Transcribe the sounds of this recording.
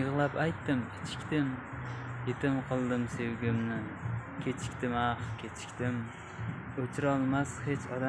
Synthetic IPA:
jɨʁlˠapajt̪ːɪmɪt͡ʃʰɪ̥kʲt̪ɪm | jet̪ʰɪmqʰɨlˠd̪ɪmse̞wɡʲɪmnɪ | kʲʰe̞t͡ʃʰɪ̥kʲt̪ɪmɑχkʲʰet͡ʃʰɪ̥kʲt̪ɪm | ot͡ʃʰɪɾɒlˠmashe̞t͡ʃʰɒd̪a

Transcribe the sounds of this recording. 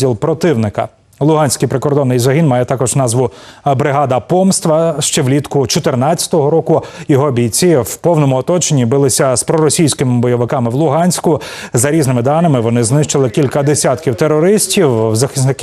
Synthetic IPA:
ilˠpɾɔt̪ɪwnɪkɐ̰ | lˠʊɦɑnʲsʲkɪjpɾɪkɔrd̪ɔnːɪjzɐɦʲinmɑjɛt̪ɑkɔʒnɑzʋʊbɾɪɦɑd̪ɐpɔmst̪ʋɐʃt͡ʃɛʋlʲit̪kʊt͡ʃɔt̪ɪrnɑtt͡sʲːɐ̥t̪ɔɦɔɾɔkʊjɔɦɔbʲijt͡sʲiwpɔwnɔmʊɔt̪ɔt͡ʃenʲːibɪlˠɪsʲɐspɾɔɾɔsʲijsʲkɪmɪbɔjɔʋɪkɑmɪwlˠʊɦɑnʲsʲkʊ | zɐɾʲiznɪmɪd̪ɑnɪmɪʋɔnɪznɪʃt͡ʃelˠɪkʲilʲkɐd̪esʲat̪kʲiwt̪eɾɔɾɪsʲtʲiwzɐxɪsnɪk

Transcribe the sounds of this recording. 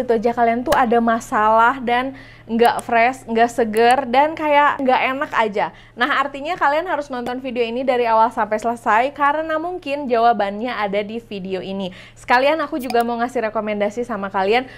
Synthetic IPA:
it̪ud͡ʒakaliant̪uadamasalaɦdan | ŋɡaʔfɾɛsŋɡaʔsəɡərdankajaʔŋɡaʔenakad͡ʒa | naɦart̪iɲakalianɦaɾʊsnɔnt̪ɔnfideoinidaɾiawalsampɛsələsajkaɾənamuŋkɪnd͡ʒawabanɲaadadifideoʔini | sə̥kalianakud͡ʒuɡamaŋasɪhrekomɛndasisamakalian

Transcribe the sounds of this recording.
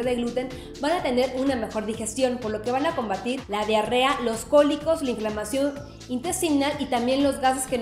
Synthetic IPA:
ðeɣlut̪e̞n | banat̪e̞ne̞ɾuname̞xo̞ɾðixe̞st̪jo̞npo̞ɾlo̞ke̞βanako̞mbat̪iɾlaðjare̞alo̞sko̞liko̞slaĩɱflamasjo̞n | int̪e̞st̪inalit̪ambje̞nlo̞zɣase̞sken

